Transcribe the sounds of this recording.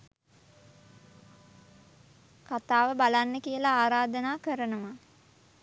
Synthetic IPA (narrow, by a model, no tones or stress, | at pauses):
kat̪aːʋəbalanːəkijəlaaːɾaːd̪ənaːkəɾənəʋa